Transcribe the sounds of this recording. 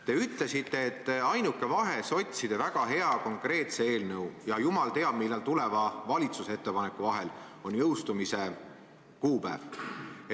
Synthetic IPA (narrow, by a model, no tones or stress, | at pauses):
t̪e̞yt̪le̞sit̪ːe̞ːet̪ːɑjnukːˑe̞vɑɦe̞so̞t̪ʲsid̪̥e̞væɡ̥ɑɦe̞ɑko̞ŋkre̞ːt̪se̞e̞ːlnɤwjɑjumɑlt̪e̞ɑb̥̚milːelt̪ule̞vɑvɑlʲit̪suset̪ːe̞pɑne̞kːˑuvɑɦe̞l | o̞nʲjɤwst̪umise̞ | kuːpæ̰ːv